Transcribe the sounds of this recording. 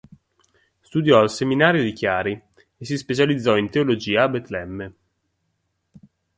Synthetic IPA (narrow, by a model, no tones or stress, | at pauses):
st̪ud̪jɔalseminaːɾjod̪ikjaːɾi | esispet͡ʃalid̪zːɔint̪eolod͡ʒiːaːbɛt̪lɛmːə